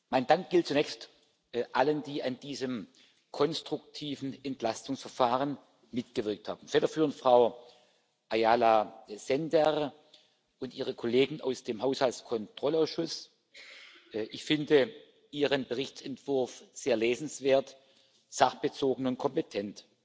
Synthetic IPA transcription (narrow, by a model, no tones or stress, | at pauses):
maɪndaŋk̚ɡ̥ɪlt̚t͡sunɛːçst | ʔaləndiːʔandiːzəm | kʰɔnstʁ̥ʊk̚tʰiːvn̩ɛntlastʊŋsfɐfaːʁən | mɪtɡ̥əvɪɐk̚tha̰ːbm̩fɛːɾɐfyːʁəntfʁ̥aʊ | ʔajaːlaz̥ɛndɛʁ | ʊntiːʁəkʰɔleːɡŋ̩a̰ʊsd̥eːmɦaʊshaltskʰɔntʁ̥ɔlaʊsʃʊs | ʔɪçfɪndə | ʔiːʁənbəʁɪçt͡sɛntv̥ʊɐfz̥eːɐleːzn̩sv̥eːɐt | z̥aχb̥ət͡soːɡŋ̩ʊnt̚kʰɔmpetʰɛnt